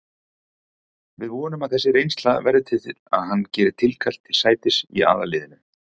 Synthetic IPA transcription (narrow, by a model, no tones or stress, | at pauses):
vɪðvɔːnʏmaðθɛsːɪɾejnst̪laðvɛɾðʏt̪ʰɪt̪ʰɪl̥a̰ðɦanːcɛːɾɪt̪ʰɪlkʰal̥t̪ʰɪ̥saːjt̪ɪsḭa̰ːðalɪːðɪnʏ